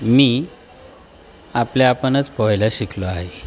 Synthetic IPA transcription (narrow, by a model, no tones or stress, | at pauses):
miː | apljaːpənət͡spɔjlaɕikʰlɔaɦe